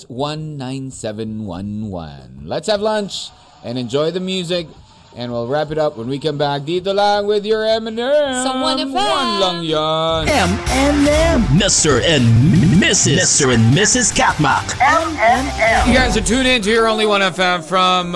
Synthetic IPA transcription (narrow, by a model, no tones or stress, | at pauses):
wʌ̃nːãɪ̃nsɛvɨ̃nwʌ̰̃nwʌ̰̃nlətshɨvlʌ̃nt͡ʃ | ʔɨ̃nɨ̃nd͡ʒɔɪðɨmjʉzɪk | ʔɨ̃nwilˠɹæpɨɾʌpwə̃nwikʌ̃mbæk̚dit̚ðəlaɪ̃nwɪðjə˞ɛ̃mɨ̃nsʌ̃mwʌ̃ʌ̃njʌ̃ŋjʌɛ̃mɛ̃nɛ̃mmɪstə˞ɨ̃nɪsɨɪstə˞ɨ̃nmɪsɨz̥kʰæt̚mɑ̰kɛ̃mɛ̃nɛ̃ɡzɨtʰʉɾɪ̃nt̬ə˞õʊ̃nliwʌ̃ñɛfɛ̃ɱfɹʌ̃m